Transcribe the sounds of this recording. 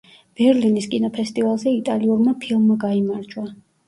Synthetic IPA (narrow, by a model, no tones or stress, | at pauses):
b̥ɛɾliniskʼinɔpʰɛst̪ʼivalˠzɛit̪ʼaliuɾmapʰilˠmːaɡaimaɾd͡ʒwa